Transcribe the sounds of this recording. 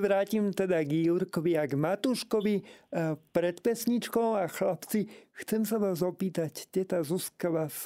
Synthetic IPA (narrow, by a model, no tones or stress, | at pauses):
ʋɾaːcimt̪ɛd̪aɡuɾkɔʋiaɡmat̪uʃkɔʋi | pɾɛt̪pɛsɲit͡ʃkɔʊaxlapt͡sixt͡sɛms̬aʋaːzɔpiːt̪act̪ɛt̪azuskaʋas